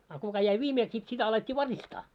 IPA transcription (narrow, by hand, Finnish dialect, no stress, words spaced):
ɑ kukɑ jæi ʋiːmeːks sit sitæ ɑletʲːiː ʋɑristɑː